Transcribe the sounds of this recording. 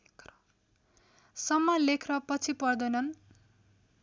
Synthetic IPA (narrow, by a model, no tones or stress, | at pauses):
k | sʌmːalekʰrʌpʌt͡sʰipʌrd̪ʌnʌn